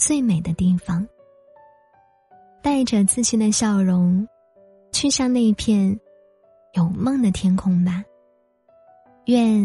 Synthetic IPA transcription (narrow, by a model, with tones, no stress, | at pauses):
t͡swe˥˩ɪme˨˩ɪd̪ə˦t̪i˥˩fɑ˧˥ŋ | t̪a˥˩ɪʈ͡ʂə˨˩t͡sɹ̩˥˩ɕi˥nd̪ə˧ɕjɑ˥˩ʊɻʊ˧˥ŋ | t͡ɕʰɛ˥˧ɕjɑ˥˧ŋne˥˧ɪi˥pʰjɛ˥˩n | jo˨˩ʊmɤ˥˩ŋd̪ə˩t̪ʰjɛ˥nkʰʊ˧˥ŋbɐ˨˩ | ɥɛ˥˧n